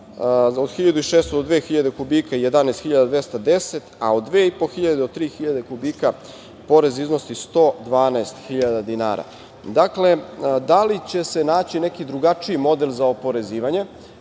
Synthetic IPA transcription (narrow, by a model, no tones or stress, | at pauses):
od̪xiʎad̪uiʃeːst̪od̪od̪ʋeːxiʎad̪ekubiːkaije̞d̪anaest̪xiʎad̪ad̪ʋest̪ad̪e̞set̪a̰o̞d̪ːʋeːipo̞xiʎad̪d̪ot̪ɾiːxiʎad̪e̞kubiːka | po̞ɾe̞zizno̞sist̪o̞ːd̪ʋaːnaest̪xiʎad̪ad̪ina̰ːɾa̰ | d̪akle̞d̪alit͡ɕe̞se̞naːt͡ɕine̞kid̪ɾuɡat͡ʂiimo̞d̪e̞lˠzaopo̞ɾe̞ziːʋaɲe̞